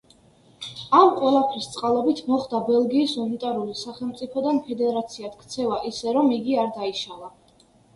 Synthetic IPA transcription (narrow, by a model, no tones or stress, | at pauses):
amqʼwɛlˠapʰɾist̪sʼqʼalˠɔbit̪ʰmɔχd̪abɛlˠɡiːsunit̪ʼaɾulisaχɛlˠmt̪sʼipʰɔd̪anpʰɛd̪ɛɾat̪sʰiat̪ʰkʰt̪sʰɛvaʔisɛɾɔmiɡiaɾd̪aiʃava